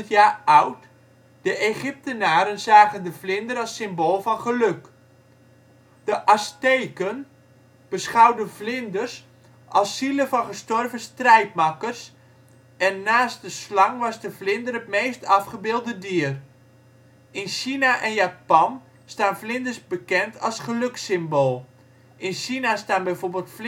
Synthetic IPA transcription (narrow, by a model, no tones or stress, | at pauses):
ətjaːawt | d̥əʔeχɪp̚tənaːɾənzaːɣəndəvlɪndərɑlˠsɪmboːlˠfɑnχəlɵk | d̥əʔastejkən | b̥əsχawdəvlɪndərs | ʔɑlˠsːiləvɑnχəstɔrvəstrɛjt̚makərs | ɛnːaːsdəslɑŋʋɑzdəvlɪndərətmejstɑfχəbɪːlˠdədiər | ɪnʃinaʔɛnjapɔn | staːnflɪndərsbəkɛntʰɑlˠsχəløksɪmboːlˠ | ɪnʃinastaːnbɛjvoːrbeːlˠtf